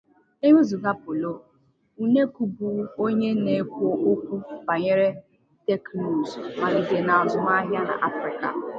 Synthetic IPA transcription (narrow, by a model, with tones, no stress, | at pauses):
e˦ɲe˦zu˨ɡa˦pʊ˨lo˦˨ | u˦ne˦ku˨bu˦o˦ɲe˦ne˨˦kʷo˦ʔo˦kʷu˦ba˨ɲe˦ɾe˦ | te˦knu˨zma˨ɾi˨de˨na˨a˨zʊ˨m˦a˦ɦja˦na̰˨ʔa˦fɾɪ˨ka̰˨